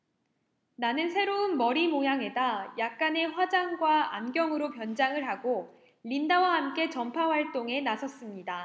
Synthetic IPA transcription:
nanɯnsʰe̞ɾoɯnmʌɾimojaŋe̞dajak̚k͈ane̞ɸwad͡ʑaŋɡwaa̰nɡjʌŋɯɾopjʌnd͡ʑaŋɯɭɦaɡo | ʎindawahamk͈e̞t͡ɕʌmpʰawaɭt͈oŋe̞nasʰʌs͈ɯmɲida

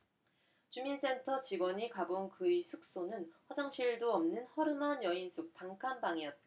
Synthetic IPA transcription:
t͡ɕumins͈e̞ntʰʌt͡ɕiɡwʌɲikabonkɯisʰuk̚s͈onɯnɸwʌd͡ʑʌŋɕʰiɭdoʌmnɯnhʌɾɯmɦanjʌinsʰuk̚paŋkʰanbaŋijʌt̚t͈a

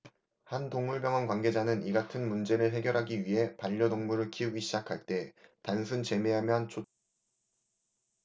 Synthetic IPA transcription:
hantoŋmuɭbjʌŋɦʌnkwanɡe̞d͡ʑanɯniɡatʰɯnmund͡ʑe̞ɾɯɭɦe̞ɡjʌɾɦaɡiɥiɦe̞paʎːʌdoŋmuɾɯɭkʰiuɡiɕʰid͡ʑakʰaɭt͈e̞tansʰunt͡ɕe̞me̞ɦamjʌnt͡ɕʰo

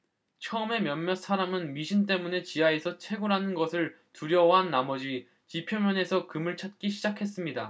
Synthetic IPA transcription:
t͡ɕʰʌɯme̞mjʌnmjʌs͈ʰaɾamɯnmiɕʰint̬͈e̞mune̞t͡ɕiaesʰʌt͡ɕʰwe̞ɡuɾɦanɯnɡʌsʰɯɭ | tuɾjʌwʌɦanːamʌd͡ʑi | t͡ɕipʰjʌmjʌne̞sʰʌkɯmɯɭt͡ɕʰat̚k͈iɕʰid͡ʑakʰe̞s͈ɯmɲida

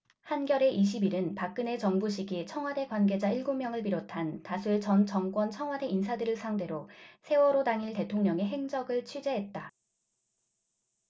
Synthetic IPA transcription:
hanɡjʌɾe̞ʔiɕʰibiɾɯnpak̚k͈ɯne̞t͡ɕʌŋbuɕ̬ʰiɡit͡ɕʰʌŋwade̞kwanɡe̞d͡ʑaiɭɡomjʌŋɯɭp̬iɾotʰantasʰuet͡ɕʌnt͡ɕʌŋk͈wʌnt͡ɕʰʌŋwade̞insʰadɯɾɯɭsʰaŋde̞ɾosʰe̞wʌɾodaŋiɭte̞tʰoŋɲʌŋe̞ɦe̞ŋd͡ʑʌɡɯɭt͡ɕʰɥid͡ʑe̞ɦe̞t̚t͈a

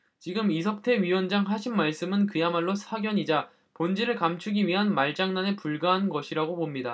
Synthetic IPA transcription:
t͡ɕiɡɯmisʰʌk̚tʰe̞ɥiwʌnd͡ʑaŋɦaɕʰinmaɭs͈ɯmɯnkɯjamaɭːosʰaɡjʌɲid͡ʑa | pond͡ʑiɾɯɭkamt͡ɕʰuɡiɥiɦanmaɭd͡ʑ͈aŋnanepuɭɡaɦannɡʌɕʰiɾaɡopomɲida

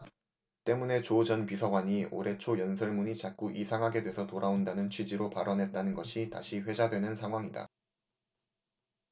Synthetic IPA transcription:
t͈e̞mune̞t͡ɕod͡ʑʌnpisʰʌɡwaɲio̰ɾe̞t͡ɕʰojʌnsʰʌɭmuɲit͡ɕak̚k͈uʔisʰaŋɦaɡe̞dwe̞sʰʌtoɾʔaondanɯnt͡ɕʰwid͡ʑiɾopaɾʌnɦe̞t̚t͈anɯnɡʌɕʰita̰ɕʰiɸwe̞d͡ʑadwe̞nɯnsʰaŋɦwaŋida̰

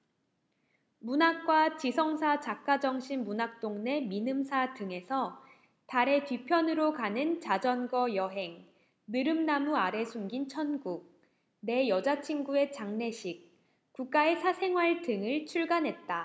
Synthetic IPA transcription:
munak̚k͈wat͡ɕisʰʌŋsʰat͡ɕak̚k͈ad͡ʑʌŋɕʰinmunak̚t͈oŋne̞minɯmsʰatɯŋe̞sʰʌ | taɾe̞tɥipʰjʌnɯɾokanɯnt͡ɕad͡ʑʌnɡʌjʌɦe̞ŋ | mɯɾɯmnamuaɾe̞sʰuŋɡint͡ɕʰʌnɡuk̚ | ne̞jʌd͡ʑat͡ɕʰiŋɡue̞t͡ɕaŋne̞ɕʰik̚ | k͈uk̚k͈ae̞sʰasʰe̞ŋɦwaɭtɯŋɯɭt͡ɕʰuɭɡanɦe̞t̚t͈a

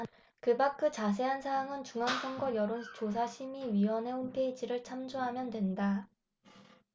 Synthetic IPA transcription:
kɯbak͈ʰɯt͡ɕas̬ʰe̞ɦansʰaaŋɯnt͡ɕuŋɦansʰʌŋɡʌjʌɾont͡ɕos̬ʰaɕʰimiɥiwʌne̞hompʰe̞id͡ʑiɾɯɭt͡ɕʰamd͡ʑoɦamjʌndwe̞nda

